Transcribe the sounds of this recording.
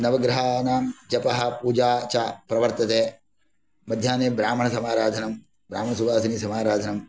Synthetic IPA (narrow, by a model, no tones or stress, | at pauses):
nɐʋɐɡɾɐɦaːnaːmd͡ʒɐpɐɦɐ̆puːd͡ʒaːt͡ʃapɾɐʋɐɾt̪ɐt̪eː | mɐd̪ʱjaːneːbɾaːm̤ɐɳɐsɐmaːɾaːd̪ʱɐnɐm | bɾaːmɐɳɐsuʋaːsɐnisɐmaːɾaːd̪ʱɐnɐm